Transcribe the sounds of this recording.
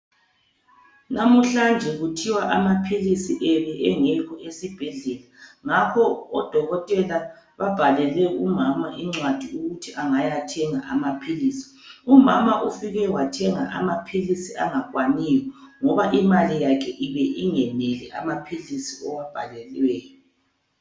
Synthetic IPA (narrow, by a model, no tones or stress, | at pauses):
namuɬand͡ʒʱɛɣutʰiwaʔamapʰilisiʔɛβɛʔɛŋɛkʰɔʔesib̥ʱɛɮɛlaŋakʰɔːd̥ʱɔɣɔtʼɛla | βab̥ʱalɛlɛumamaʔiŋ͡ǀwad̥ʱiuɣutʰiʔaŋajatʰɛŋaʔamapʰiliːsi̥ | umamaʔufiɣɛwatʰɛŋaʔa̰mapʰilisiaŋakwanijɔŋɔβaʔimalijakʰɛʔiβɛʔiŋɛnɛlɛʔa̰mapʰilisiɔwab̥ʱalɛlwɛːjɔ